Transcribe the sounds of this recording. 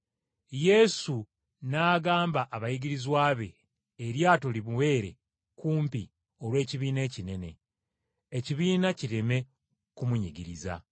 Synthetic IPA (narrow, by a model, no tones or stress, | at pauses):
je̞su | naːɡaːmbaʔːβajiɡiɾizwaːβe̞ː | ɾjaːto̞liβuwe̞ːɾe̞ | kuːmpi | o̞lwe̞ːciβiːne̞ːcine̞ne̞̰ | eciβiːnaciɾeme̞ | kumuɲiɡiɾiza̰